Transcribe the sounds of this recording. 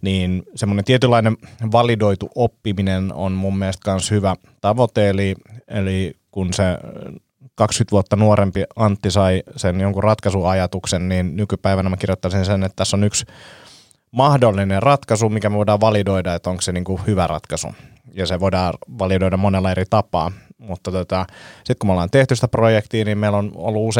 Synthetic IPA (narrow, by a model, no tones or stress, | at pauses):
niːnsemːonent̪iet̪ylːɑineʋɑlidoit̪uʔopːimineno̰nmumːiest̪kɑnshyʋæ | t̪ɑʋot̪eeliḛlikunse | kɑkskyt̪ʋuot̪ːɑnuoɾempiɑnt̪ːisɑisenjoŋkurrɑt̪kɑsuɑjɑt̪uksenniːnnykypæiʋænæmækirjot̪ːɑsinsenet̪t̪æsːonyks | mɑhdolːinerrɑt̪kɑsumikæmæʋoidɑːʋɑlidoidɑet̪ːoŋkseniːŋkuhyʋærɑ̰t̪kɑsṵ | jɑseʋoidɑːʋɑlidoidɑmonelːɑeɾit̪ɑpɑ̰ːmut̪ːɑt̪ot̪ɑsit̪kumolːˑɑːnt̪eht̪ysit̪æprojekt̪iːniːmmeilːono̰lːuuse